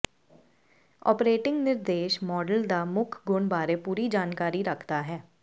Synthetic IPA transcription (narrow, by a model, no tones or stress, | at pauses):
ɔ̰ːpɾeːʈɪ̃ŋɡnɪɾd̪eːʃmɔːɖəld̪aːmʊkʰɡʊɳbaːɾepuːɾid͡ʒaːnkaːɾiɾəkʰt̪aɦɛː